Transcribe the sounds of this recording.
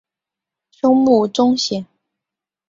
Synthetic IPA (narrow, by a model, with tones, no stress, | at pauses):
ɕʊ˥ŋmu˥˩ʈ͡ʂʊ˥ŋɕi˨˩ŋ